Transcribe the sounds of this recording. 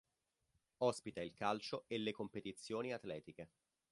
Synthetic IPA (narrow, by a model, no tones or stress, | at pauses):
ɔspit̪ailkalt͡ʃoelːekompet̪it̪sːjoːniat̪lɛːt̪ike